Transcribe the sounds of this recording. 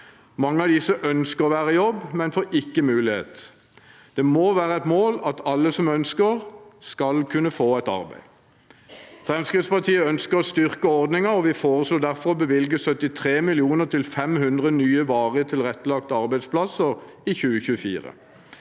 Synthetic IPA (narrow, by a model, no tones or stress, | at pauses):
mɑŋːəɑd̪ɪsəʔœnskəʁɔʋæːʁəjɔbːmɛnfoːʔɪkːəmʉːlɪhḛːt̪ | d̪̥ɛmoːʋæːʁəɛt̪moːlɑt̪ɑlːəsɔmœnskəʁskɑlkʰʉnəfoːɛɪt̪ɑ̰ʁbæ̰ɪ | fʁɛmskʁɪd̪spɑʁt̪ʰiːəœnskəɾɔst̪ʏʁkəɔʁd̪nɪŋəɔʋɪfoːʁəsloːd̪æʁfɔʁɔbəʋɪlɡəsœt̪ɪt̪ʰʁeːmɪlɪuːnəʁt̪ʰɪlfɛmhʉnd̪ʁənyːəʋɑːʁət̪ʰɪlʁɛt̪ːəlɑk̚t̪əɑʁbæɪspʰlɑsəʁ | içʉːəçʉːəfḭːʁə̰